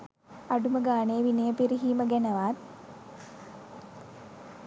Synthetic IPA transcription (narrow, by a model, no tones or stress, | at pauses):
aɖuməɡaːnejʋinejəpiɾiɦiːməɡænəʋat